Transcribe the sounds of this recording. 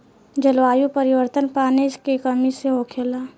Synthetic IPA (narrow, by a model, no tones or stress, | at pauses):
d͡ʒəlʋaːjupəɾɪwəɾt̪ənpaːneskekəmiseɦoːkʰeːlaː